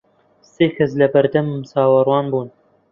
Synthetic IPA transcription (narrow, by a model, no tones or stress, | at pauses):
seːkʰɐs̬lɐbɐɾd̪ɐmmsɑːwɐrwɑːnbuːn